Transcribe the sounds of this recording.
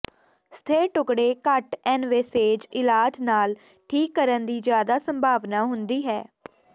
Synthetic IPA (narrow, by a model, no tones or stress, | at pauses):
st̪ʰeːʈʊkɽeːkəʈɛːnʋeːseːd͡ʒɪlaːd͡ʒnaːl | ʈʰiːkːəɾənd̪iːzjaːd̪aːsəmbʱaːʋnaːɦʊnd̪iːɦɛː